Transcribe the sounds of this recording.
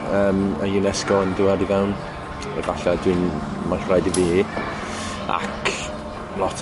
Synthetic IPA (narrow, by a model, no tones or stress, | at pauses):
əːməjunɛskɔəndʊɛdivɛwn | ɛ̰ɡaɬadwinmaɬajdiviː | a̰kʰ | lˠɔtʰ